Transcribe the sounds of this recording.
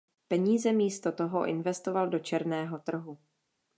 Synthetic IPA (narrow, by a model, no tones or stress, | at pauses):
pɛɲiːzɛmiːst̪o̞t̪o̞ɦoʔɪnvɛst̪o̞valdo̞t͡ʃɛɾnɛːɦo̞t̪r̩ɦu